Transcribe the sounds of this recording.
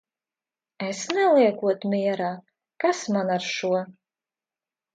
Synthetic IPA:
esnɛlˠiɛkuɔt̪mʲiɛɾaː | kasmanaɾʃuɔ

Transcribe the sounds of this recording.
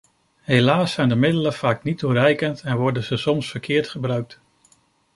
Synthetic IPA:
ɦelaːsɛjndəmɪdələv̥aːknit̚dʊrɛjkəntɛnʋɔɹdənzəsɔmsfəɹkʰɪːɹtχəbrœɥk̚t

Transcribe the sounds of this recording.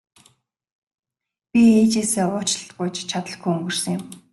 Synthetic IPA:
pʲieːt͡ɕeːseːʊːt͡ɕɪ̆ɮt̪ɢʊjt͡ɕt͡ɕʰat̪ə̆ɮɡujɵŋɡɵ̆r̥sə̆ŋjʊ̆m

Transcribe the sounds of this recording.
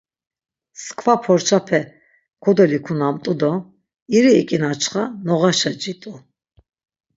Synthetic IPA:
skʰvapʰɔɾt͡ʃʰapʰɛ | kʰɔd̪ɛlikʰunamt̪ʼud̪ɔ | iɾiɛkʼinat͡ʃʰχanɔʁaʃad͡ʒʼit̪ʼu

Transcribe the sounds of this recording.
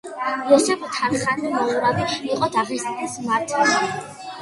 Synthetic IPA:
jɔsɛpʰt̪ʰanχanimaluɾaviiqʼɔd̪aʁist̪ismat̪ʼʰɔ

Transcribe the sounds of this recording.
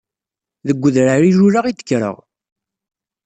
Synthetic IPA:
ðəɡʷːəðɾaɾiɾʊɾaʁit̪ːə̥kːɾə̰ʁ

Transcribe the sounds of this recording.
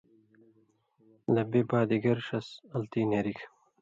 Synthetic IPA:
lɐbebaːd̪iɡɐɾʂɐsɐlt̪iːneɾikʰ

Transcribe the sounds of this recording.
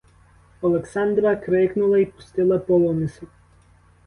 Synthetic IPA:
ɔlʲɛksɑnd̪ɾɐkɾɛɪknɔlˠɐipʊ̥sʲt̪ʲɪlˠɐpɔlˠɔnʲɪsʲɐ

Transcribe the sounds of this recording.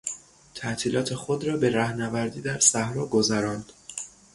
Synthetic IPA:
t̪ʰæʔt̪ʰiːlɒːt̪ʰe̞xod̪ɾɒːbe̞ɾæhnævæɾd̪iːd̪æɾsæhɾɒːɡo̞zæɾɒːnd̪̥

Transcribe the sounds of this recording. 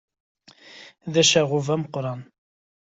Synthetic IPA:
ðæʃæʁʊvæmqɾˤɑn

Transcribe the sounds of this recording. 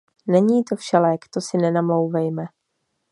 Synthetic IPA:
nɛɲiːt̪o̞fʃɛlɛkt̪o̞sɪnɛnamlo̞wvɛjmɛ

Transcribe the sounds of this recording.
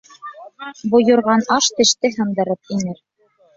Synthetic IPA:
bŏjɤ̆ɾʁɑnɑʃt̪ɘ̆ʃt̪ɘɦɤ̆nd̪ɤ̆ɾɤp̚inɘɾ

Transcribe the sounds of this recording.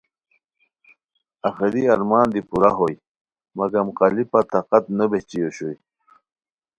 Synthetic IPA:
axiɾiaɾmaːnd̪ipuɾaɦoj | mɐɡamqalipat̪aːqɑt̪̚nəbeht͡ɕijoɕuj

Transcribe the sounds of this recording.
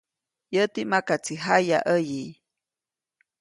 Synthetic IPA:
jət̪imakat͡siɦaja̰ʔəjij

